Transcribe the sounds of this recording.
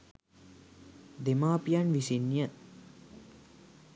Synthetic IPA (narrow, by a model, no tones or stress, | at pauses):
d̪emaːpijanʋisinjə